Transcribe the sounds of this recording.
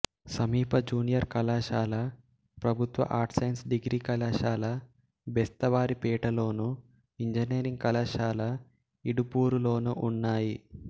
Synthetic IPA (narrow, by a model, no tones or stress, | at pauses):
sɐmiːpɐd͡ʒuːnijɐɾkɐlaːʃaːlɐ | pɾɐbʱut̪ʋɐ̰ʔaːɾʈsɐjnsɖiɡɾiːkɐlaːʃaːlɐ | bɛst̪ɐʋaːɾipɛːʈɐlo̞ːnu | iɲd͡ʒɐneːɾiŋɡ̚kɐlaːʃaːlɐ | iɽupuːɾulo̞ːnuʔunːaːji